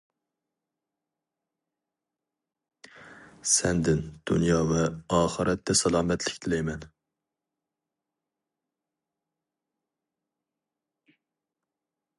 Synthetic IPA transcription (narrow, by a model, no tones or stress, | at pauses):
sɛnd̪ɪnd̪̥ṵnjɑːvɛɑːχəɾɛt̪ːɛsɑlˠɑːmɛt̪lɪkʲt̪ʰɪlɛjmɛn